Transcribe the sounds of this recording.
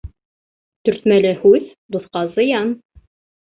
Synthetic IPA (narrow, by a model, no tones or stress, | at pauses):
t̪ɵ̆ɾt̪mælɘhʉð | d̪ŏθqɑzɤ̆jɑn